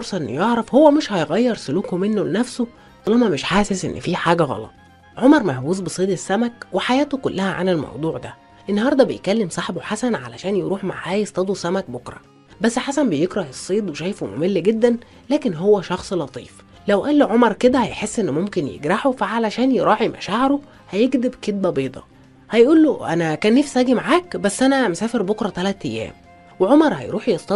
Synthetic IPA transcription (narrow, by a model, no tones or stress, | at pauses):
foɾsˤɑʔenːo̰joʕɾˤɑfhowːæmeʃhɑjɣæjːɑɾˤsoluːkhomenːolenæfso | t̪ɑlɑmæmeʃħaːsesʔḛnːfiːħaːɡæɣɑ̰lɑ̰t̪ˤ | ʕomɑɾˤmæhwuːzbesˤiːd̪esːæmækweħajæːt̪okolːæhæʕa̰nelmɑ̰wd̪ˤuːʕd̪æ | ʔenːɑhɑɾˤd̪ˤɑbḛjkælːemsˤɑħboħasænʕa̰læʃæːnjeɾuːħma̰ʕʕæːjesˤt̪ˤɑd̪usæmæk̚bokɾˤɑ̰ | bæsːħasænbejekɾˤɑhesˤːiːd̪ˤweʃæjfomo̰melːɡed̪ːæn | læːkenɦowːæʃɑxsˤlɑt̪ˤḭːf | læwʔæːlːʕomɑɾˤked̪æhæjħesːʔenːmomkenjḛɡɾaħofæʕalæʃæːnjeɾˤɑːʕimʔæ̰ʃaːʕeɾo | hæjeɡd̪ebket̪̚bæbeːd̪ˤɑ̰ | hæjʔuːlːoʔæ̰nækæːnːeːfsʔæːɡimaʕaːkbæsːʔænæmesæːfeɾbokɾˤɑt̪ælæt̪ʔæjːæ̰ːm | weʕomɑɾˤhæ̰jɾuːħjest̪ɑ